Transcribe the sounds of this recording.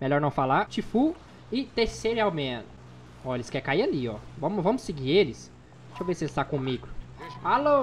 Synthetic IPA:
meʎɔɾnɐ̃w̃falat͡ʃifu | ɪt̪eɾseɾɪawmẽnʊ | ɔelɪskɛɾkaialiɔvɐ̃mʊvɐ̃mʊsɪɡiɾelɪs | ʃõvesɪelɪst̪akõmiɡʊalo

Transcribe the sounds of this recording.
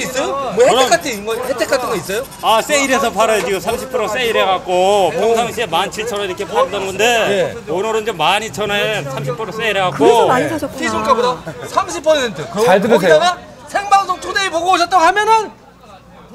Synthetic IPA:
is͈ʌomoheek͈ʰat͈ɯiŋɡʌhetʰekʰat͈ɯŋɡʌis͈ʌjo | as͈eiɾe̞sʰʌpʰaɾʌed͡ʑiɡosʰamɕʰipʰɯɾos͈e̞iɾeɡak͈̚opʰjʌŋsʰaŋɕʰiemant͡ɕʰit͡ɕʰʌɾoiɾʌkʰe̞p͈oɡʌt̚t͈ʌnŋɡʌnde̞eonɯɾɯnd͡ʑomːaɲit͡ɕʰʌnesʰamɕʰipʰɯɾos͈eiɾeɡak͈oaɲiatʰisʰuŋk͈abodasʰamɕʰipʰʌsʰentʰɯkaɭtɯoaɡa | sʰeŋbaŋsʰoŋtʰodeipoɡooɕʰʌt͈̚ʌnhamjʌnɯn

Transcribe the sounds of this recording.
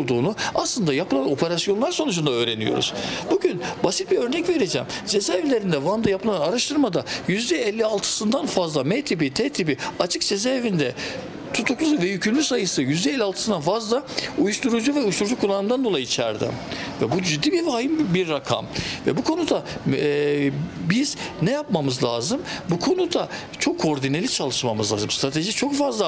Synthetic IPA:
olˠd̪uːnuaslˠɯnd̪ajapʰɯlˠano̞pʰe̞ɾasjo̞nlˠaɾso̞nud͡ʒʰund̪aø̞ːɾenijo̞̰ɾṵz̥buɟynbasit̪̚biɾø̞ɾnɛcve̞ɾed͡ʒɛ̰mzezɛvilʲe̞ɾind̪ɛvand̪ajapʰɯlˠanaɾaʃt̪ʰɯɾmad̪ajyzd̪ɛɛlʲːialˠt̪ʰɯ̥sɯnd̪anfazlˠamet̪ʰibit̪ʰeːt̪ʰibiat͡ʃʰɯkzezɛvind̪ɛ | t̪ʰut̪ʰuklˠuvɛjycʰylʲmʲysajɯsɯjyzd̪ɛːlʲːialˠt̪ɯ̥sɯnd̪anfazlˠaujuʃt̪ʰuɾud͡ʒuvɛuʃt̪uɾd͡ʒukʰːulˠːanɯmd̪and̪olˠajiːt͡ʃʰæ̰ɾd̪ɪ̰vɛbud͡ʒid̪ːiːbivaːjɯmbiɾːakʰa̰mvɛbukʰo̞nud̪a | biz̥nɛjapmamɯzlʲˠaːzɯmbukʰo̞nud̪a | t͡ʃʰo̞kʰːo̞ɾd̪inelʲit͡ʃʰalˠɯʃmamɯzlˠa̰ːzɯmst̪ɾat̪ʰe̞ʒit͡ʃʰo̞kfazlˠa

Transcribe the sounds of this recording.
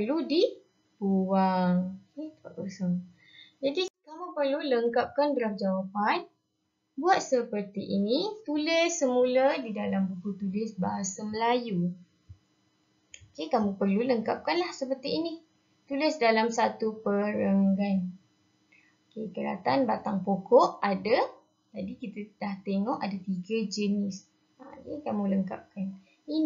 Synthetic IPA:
pərludi | uwaŋket̪aʔusaŋ | d͡ʒadikamũpərluləŋkap̚kanbɾamd͡ʒawapan | buat̪̚səpərt̪iʔinit̪ulɪsːəmũladidalambukut̪ulɪsbaɦasaməlaju | okekamũpərluləŋkap̚kanlahsəpərt̪iini | t̪ulɪsdalamsat̪upəɾəŋɡan | okekəɾa̰t̪anbat̪aŋpokɔʔada | t̪adikit̪adaht̪eŋɔʔadat̪iɡad͡ʒənɪs | a̰dikamũləŋka̰p̚kan | i

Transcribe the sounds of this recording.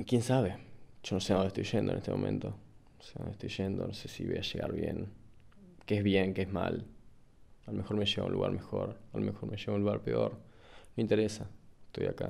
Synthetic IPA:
kjensaβeʒ̥onoseoneht̪ojʒend̪onʔest̪emomẽnt̪o | oseo̰net̪ojʒend̪onosesiβḛjaʃeɣaɾβjen | keezβjeŋkeezma̰l | alomexo̞ɾmeʃeɣa̰ṵ̃nlʔṵɣaɾmexoɾalomexoɾmeʃeɣaunluɣaɾpeo̞ɾ | nomeint̪eɾesaest̪o̞ja̰ka

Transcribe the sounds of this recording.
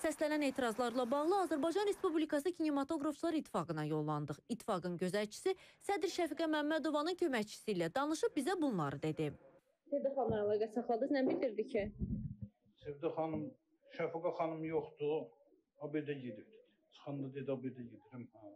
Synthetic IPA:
sæslænæne̞ːt̪ʰiɾɑzlˠɑɾlˠɑbɑʁlˠɯɑzæɾbɑjd͡ʒɑnɾe̞spublikɑsɯcʰinimɑt̪ʰo̞ɡɾoft͡ʃʰlˠɑɾit̪ʰːi̥fɑɡɯnɑjo̞lˠːɑnd̪ɯχit̪ʰːi̥fɑɡɯnɟø̞zæɾt͡ʃʰi̥sisæd̪ɾʃæfiɡæmæmːæd̪o̞vɑnɯncʰø̞mæçt͡ʃʰi̥silæd̪ɑnɯʃɯp̚bizæbunlˠɑɾɯd̪e̞d̪i | sevd̪aχɑnɑnalˠɑɡɑsɑχlˠɑd̪ɯznæmbild̪iɾd̪icʰi | sevd̪aχɑnɯm | ʃæfiɡɑχɑnɯmjoχt̪u | ɑbed̪æɟed̪iɾ | t͡ʃʰɯ̥χɯnd̪ɑd̪ed̪iɑbed̪æjed̪iɾim

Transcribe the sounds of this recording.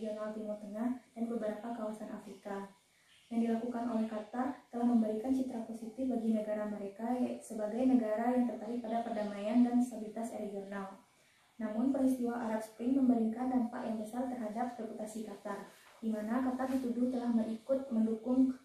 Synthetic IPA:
ɡionalt̪imɔt̪əŋahd̥anbəbəɾapakawasanʔafɾika | jaŋdilakukanʔolɛhkat̪art̪əlahməmbəɾikant͡ʃit̪ɾaposit̪ɪfbaɡinəɡaɾaməɾekasəbaɡajnəɡaɾajaŋt̪ərt̪aɾɪk̪̚padapərdamajandanst̪abilit̪aseɾeɡional | namʊnpəɾist̪iwaaɾap̚spɾɪŋməmbəɾiŋkandampa̰ʔjaŋbəsart̪ərɦadap̚ɾeput̪asikat̪ard̥imanakat̪ardit̪udʊht̪əlahməɾikʊt̪̚məndukʊŋ

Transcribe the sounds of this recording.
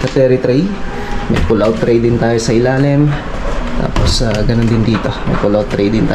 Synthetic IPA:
kɐt̪ɛːɾɪt̪ɾij | mɐ̰jpʊlawt̪ːɾɛjd̪ɪnt̪aːjosɐʔɪlaːlɪm | t̪a̰ːposaɡɐnond̪ɪnd̪iːt̪o̞mɐ̰jpʊlawt̪ːɾɛjd̪ɪnt̪aː

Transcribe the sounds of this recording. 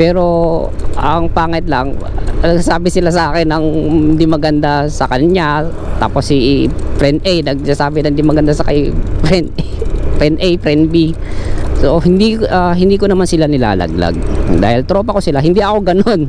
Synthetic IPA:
pɛːɾo̞ | ʔɐŋpaːŋɐt̪̚lɐŋnɐɡasaːbɪsɪlasɐʔaːkɛnɐŋnd̪imɐɡɐnd̪asɐkɐnɲa | t̪a̰ːposːipɾɛnd̪ʔɛjnɐɡ̚sasaːbɪnɐŋɪnd̪imɐɡɐnd̪asɐkɐjpɾɛnpɛnʔɛjpɾɛnbi | sohɪnd̪iʔaɦɪnd̪iːkonɐmansɪlanɪla̰ːlɐ̰ɡ̚la̰ɡ̚d̪a̰ːhɪlt̪ɾopɐko̞sɪlaɦɪnd̪iʔɐko̞ɡɐno̞n

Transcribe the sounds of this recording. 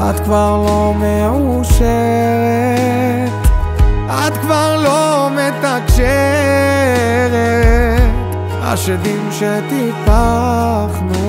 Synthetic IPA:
ad̪kvaʁlomeuʃɛʁe | t̪ | ad̪kvaʁlomet̪akʃɛ | ʁe | a̰ʃedimʃet̪ifaχnu

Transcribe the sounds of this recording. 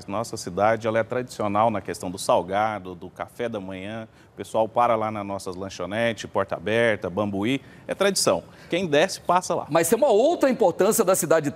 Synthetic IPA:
nɔsɐsid̪ad͡ʒɪɛlɐɛt̪ɾad͡ʒi̥sionawnɐkest̪ɐ̃w̃d̪ʊsawɡad̪ʊd̪ʊkafɛd̪ɐmɐ̃ɲ̃ɐ̃ | ʊpesuawpaɾɐlanɐznɔsɐlɐ̃ʃonɛt͡ʃɪpɔɾt̪ɐa̰bɛɾt̪ɐbɐ̃bui | ɛt̪ɾad͡ʒisɐ̃w̃ | kẽj̃d̪ɛsɪ̥pasɐla̰mɐjsẽũmɐowt̪ɾɐĩpoɾt̪ɐ̃siɐd̪ɐsid̪ad͡ʒɪ

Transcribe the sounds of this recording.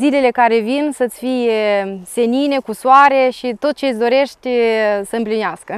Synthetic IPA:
zile̞le̞kaɾe̞vinsət̪sʲfijese̞nine̞kuswaɾe̞ʃit̪o̞t̪̚t͡ʃesʲd̪o̞ɾe̞ʃt̪ʲsəɨmplineaskə

